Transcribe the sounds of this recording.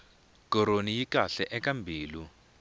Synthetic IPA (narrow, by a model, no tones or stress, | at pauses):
kɔɾonijikaɬɛʔɛkambʱiːlu